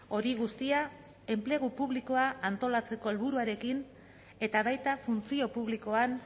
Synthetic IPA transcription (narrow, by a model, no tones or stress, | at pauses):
o̞ɾiɣ̞ust̪ia | e̞mple̞ɣ̞upuβliko̞aʔːnt̪o̞lat͡se̞ko̞e̞lβuɾuaɾe̞kin | e̞t̪aβajt̪afunt͡sio̞puβ̞liko̞an